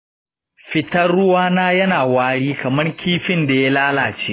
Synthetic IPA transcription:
ɸɪ˦tɐ˦rːʊ˦waː˦naː˦jɐ˦naː˨waː˦ɽiː˦kɐ˨mɐ˦rkʲʰiː˦ɸɪ˦nda˨ja˦laː˦laː˨t͡ʃeː˦

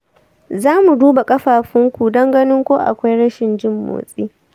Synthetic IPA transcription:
zaː˦mu˨duː˦ba˨kʼɐ˦ɸaː˨ɸɪ˦ŋkʷu˨dɐ˦ŋɡɐ˦nɪ˦ŋkʷoː˦ʔa̰˨kʷa˦jɽɐ˦ʃɪ˨nd͡ʒɪ˦mːo̰ː˨sʼiː˦

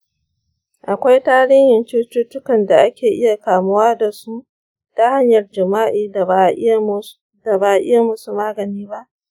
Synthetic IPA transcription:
ʔa˨kʷa˦jtaː˦ɽɪ˦ɲjɪ˨nt͡ʃuː˦tuː˦tʊ˦kɐ˨nda˨ʔa˦kʲeː˨ʔɪ˦ja˨kaː˨mʊ˦waː˦da˨su˦ | da˦ha˦ɲjɐ˨rd͡ʒɪ˨maː˦ʔiː˨da˨˦ | da˨baː˨ʔɪ˦ja˨mʊ˦su˨maː˦ɡɐ˨niː˦ba˦ʔ

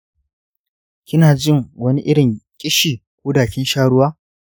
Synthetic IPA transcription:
kʲɪ˦naː˨d͡ʒɪ˦˨ŋwɐ˦ni˦ʔɪ˦ɽɪ˨ŋkʲʼɪ˦ʃiː˨kʷoː˦daː˨ɸʲiː˦ʃaː˦ɽʊ˦waː˦

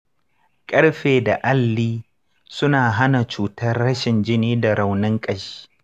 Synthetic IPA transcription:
kʼɐ˦ɽɸeː˨da˨ʔa˦lːiː˦ | sʊ˦naː˨ɦa˦na˨t͡ʃuː˨tɐ˦rːɐ˦ʃɪ˨nd͡ʒɪ˦niː˦da˨ɾa˨wnɪ˦ŋkʼɐ˦ʃi̥ː˦

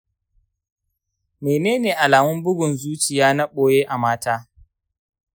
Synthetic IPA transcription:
meː˨neː˦neː˨ʔa˨laː˨mʊ˦mbʊ˦ɡʷʊ˨nzuː˦t͡ʃɪ˨jaː˦nɐ˦ɓoː˨jeː˦ʔa˨maː˦taː˦

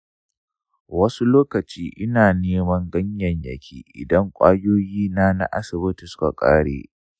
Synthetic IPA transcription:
wɐ˦su˦loː˦kɐ˨t͡ʃiː˦ʔɪ˦naː˨neː˦mɐ˦ŋɡɐ˦ɲjɐ˨ɲjɐ˨kʲʰiː˦ʔɪ̰˨dɐ˦ŋkʷʼa̰ː˦joː˦jiː˦na˦na̰˦ʔa̰˦sɪ˨bɪ˦ti˨sʊ̥˦ka˨kʼa̰ː˦ɽḛː˨

